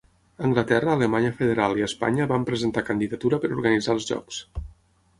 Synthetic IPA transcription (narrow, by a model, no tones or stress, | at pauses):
əŋɡlət̪ɛrəːləmaɲəfəðeɾalˠiəspa̰ɲəβampɾəzənt̪akənd̪iðət̪uɾəpəɾuɾɣənid͡zaəlˠzʒɔ̰ks